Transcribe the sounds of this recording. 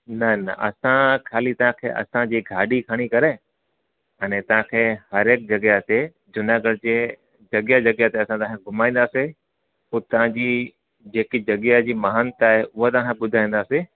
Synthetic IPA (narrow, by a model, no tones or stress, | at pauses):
nɐnɐʔɐ̰sãkʰaːlit̪ɐʋãkʰḛːʔɐ̰sãd͡ʑiːɡʱaːɖikʰəɽ̃ikɐɾe | ɐnẽt̪ɐʋ̤ãkʰeːhɐɾeːk̚d͡ʑɐɡjat̪e | d͡ʑʊnaɡəɽd͡ʑeː | d͡ʑɐɡjad͡ʑɐɡjat̪eɐsãt̪ɐʋãkʰeɡʱʊmaːĩːn̆d̪aːsi | ʊt̪ɐʋãd͡ʑiː | d͡ʑeːkid͡ʑɐɡjad͡ʑiːmɐɦənt̪aːɦeʔʊɦat̪ɐʋ̤ãkʰeɓʊd̪ʱaːĩːn̆d̪aːsi